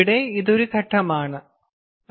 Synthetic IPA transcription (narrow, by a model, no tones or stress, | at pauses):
ɽeiðo̞ɾukɐʈʰːɐmaːɳɨ